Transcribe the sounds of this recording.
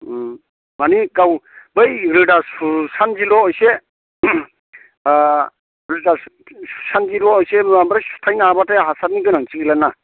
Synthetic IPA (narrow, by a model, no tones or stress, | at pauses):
manikawbɯjɾɯdasusand͡ʒilɔɔjse | ɾɯda | su̥sanzilɔːjseambɾajsu̥tʰajnabatajɦasaɾniɡɯnaŋt͡ʃiɡilana